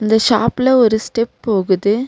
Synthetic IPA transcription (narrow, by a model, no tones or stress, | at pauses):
ɪnd̪ɐʃaːpɪlɐɔɾɯsʈɛpːoːɣɯðɯ